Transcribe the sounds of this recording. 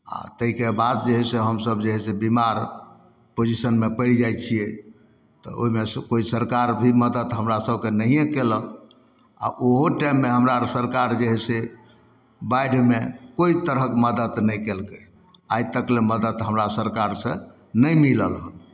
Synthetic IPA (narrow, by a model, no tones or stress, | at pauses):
a̰t̪əɦikebad̪̚d͡ʒeɦɛseɦəmsəbd͡ʒeɦɛsebimaɾ | pod͡ʒisənmepəld͡ʒaj̪t͡ʃʰiɛ | t̪ɔ̰o̰ɦimeskoisəɾkaɾbʱiməd̪ət̪ɦəmɾasəbʱkenəɦijẽkelək | a̰ʔoɦoʈajmːeɦəmɾasəɾkaɾd͡ʒeɦɛse | baɖʱmekoit̪əɾɦəkeməd̪ət̪nəjkelkə | ajt̪əkleməd̪əd̪ɦəmɾasəɾkaɾsə̃ | nəjmiləlɦəl